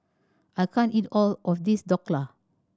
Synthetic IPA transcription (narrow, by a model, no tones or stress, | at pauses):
ʔajkʰãnitɔlʔɔfdisdɔklə